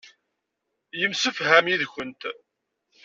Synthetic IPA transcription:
jəmsəfɦæmjiðçənt̪

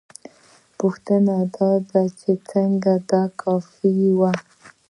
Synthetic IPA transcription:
pʊxt̪ənad̪ɑd̪at͡ʃet͡səŋɡad̪ɑkʰafiwa

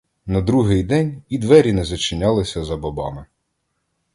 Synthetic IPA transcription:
nɐd̪ɾuɦɪjd̪ɛnʲid̪ʋɛɾʲinɛzɐt͡ʃɪnʲɑlˠɪsʲɐzɐbɐbɑ̰mɪ

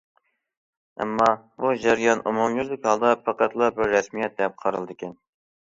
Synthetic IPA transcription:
ɛ̰mːɑ | bud͡ʒæɾijɑnumumlyɾd̪ɪkʲhɑlˠd̪ɑpʰɑqæt̪lˠɑbɪɾːɛsmijɛt̪̚d̪ɛp̚qʰɑɾɨlˠd̪ɪkʲʰɛn

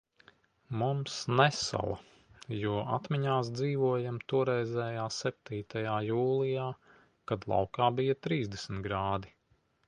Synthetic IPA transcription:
mumsnɛsa̰lˠa̰ | juɔʔa̰t̪miɲaːsd̪ziːʋuɔjamt̪uɔɾɛjzɛːjaːsɛp̚t̪iːt̪ajaːjuːlˠijaː | kad̪lˠɑ̰wkaːbijɐt̪ɾiːzd̪esmt̪ɡɾaːd̪i

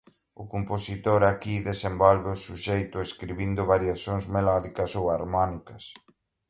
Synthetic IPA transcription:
ʊkomposit̪oɾakiðesembɔlβeʊsuʃejt̪ʊeskɾiβind̪ʊβaɾjaθoŋzmelaðikɐsowaɾmɔnikɐs

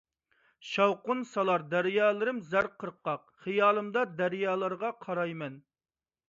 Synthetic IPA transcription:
ʃɑwqʊnsɑlˠɑɾd̪æɾjɑːlˠɨɾɪmzæɾqʰəɾqːɑq̚ | χijɑːlˠɨmd̪ɑd̪æɾjɑːlˠɨɾʁɑqʰɑɾɑjmɛn

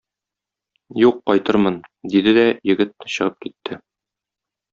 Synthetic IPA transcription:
juqːɒjt̪ɤɾmɤnd̪id̪ɘd̪æjɘ̆ɡɘt̪̚nɘɕɤ̆ʁɤp̚kit̪ʰːɘ

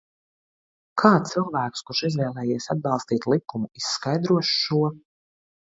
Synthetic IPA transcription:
kʰaːt̪silˠvæːkskuɾʃizvɛːlˠɛːjiɛsad̪̚bɑlˠst̪iːt̪lˠikumuisːkajd̪ɾuɔʃʃuɔ

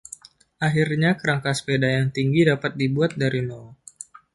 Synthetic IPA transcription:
ʔaɦirɲakəɾaŋkaspedajaŋt̪iŋɡidapat̪̚dibuat̪̚daɾino

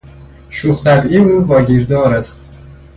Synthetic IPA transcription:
ʃuːχt̪ʰæbiuːvɒːɟiːɾd̪ɒːɾæst̪

